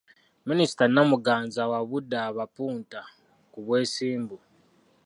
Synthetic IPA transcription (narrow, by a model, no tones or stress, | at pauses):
minisi̥tanːamuɡaːnzawaβudːaːβapuːnta | kuβwe̞ːsiːmbu